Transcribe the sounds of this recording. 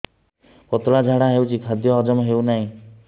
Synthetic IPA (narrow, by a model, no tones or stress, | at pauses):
kɔt̪ɭad͡ʒʱaɽaɦewt͡ʃʰikʰad̪jɔːd͡ʒɔmɦeuwnaɦĩ